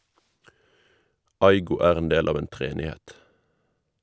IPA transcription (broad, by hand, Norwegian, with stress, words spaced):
ˈɑɪɡʊ ˈæːʁ ˈeːn ˈdeːl ˈɑːʋ ˈeːn tʁɛˈeːnɪˌhɛt